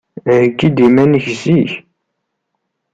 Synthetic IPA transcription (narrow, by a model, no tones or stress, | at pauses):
kːid̪imænəçziç